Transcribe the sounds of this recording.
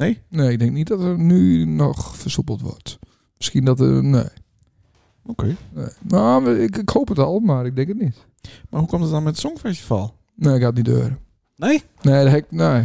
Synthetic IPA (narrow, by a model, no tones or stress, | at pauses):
nejneɪɡ̚dɪŋknit̚dɔtərnynɔxfərsupəl̩ˠtʋɔ̰rt | məskiəndɔtə̰nḛː | okʰeːneːnoɪkɪkhowpətɔlˠəmaːrɪɡ̚dɪŋkətnit | marhukɔmtətdɔnmɛtsɔŋfɛsti̥fa̰lˠ | neːɪkhatnitø̰ːɾə | e | neːdɛkneː